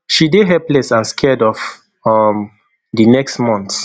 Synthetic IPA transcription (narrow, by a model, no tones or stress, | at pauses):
ʃideɦɛplɛsãnskʰɛdɔf | ɔm | dinɛkstmɔ̃nts